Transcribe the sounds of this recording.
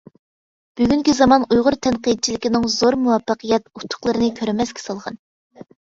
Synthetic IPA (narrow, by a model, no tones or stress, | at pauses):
b̥yɡʲyŋkʲizɑmɑnujʁʊɾt̪ʰɛnqid̪̚t͡ʃʰilɪkʲinɪŋzoɾmuwɑfːəqʰəjɛt̪ut̪ʰːʊ̥χlˠəɾɨnɨkʲʰøɾmɛskʲɛ̥sɑlˠʁɑn